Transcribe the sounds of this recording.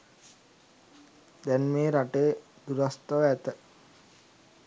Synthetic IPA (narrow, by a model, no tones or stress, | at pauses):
d̪ɛnmeːɾaʈeː | d̪uɾast̪əʋæt̪ə